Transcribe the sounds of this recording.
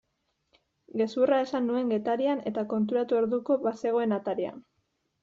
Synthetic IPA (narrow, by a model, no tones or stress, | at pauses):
ɡe̞surae̞sanːue̞ŋɡe̞t̪aɾiane̞t̪ako̞nt̪̬uɾat̪ue̞ɾðuko̞βase̞ɣ̞o̞e̞nat̪aɾia̰